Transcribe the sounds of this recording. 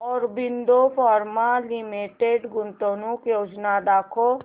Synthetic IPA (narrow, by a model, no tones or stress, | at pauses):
ɔːɾbind̪opʰɔɾmalimiʈeɖɡʊnt̪onukjoːd͡ʒnad̪akʰo